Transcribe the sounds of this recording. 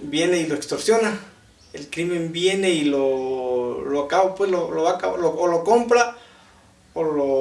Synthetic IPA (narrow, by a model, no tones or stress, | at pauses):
bjeneiloekst̪oɾsjona | elkɾimembjeneilo | loakaβopwesloloβakaloolokompɾa | olo